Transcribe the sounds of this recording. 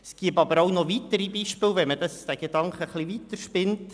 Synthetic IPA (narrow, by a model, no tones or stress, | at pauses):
sɡ̥iəpɑbəɾaʊnɔvitəɾibiːʃpɪlvɛmədɑsd̥æɡ̥ed̥ɑŋkχəχlivitəɾʃpɪnt